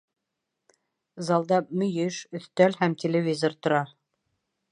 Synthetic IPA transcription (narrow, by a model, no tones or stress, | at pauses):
zɑlˠd̪ɑp̚mɵ̆jɘʃɵ̆θt̪ælhæmtʲelʲevʲizort̪ŏɾɑ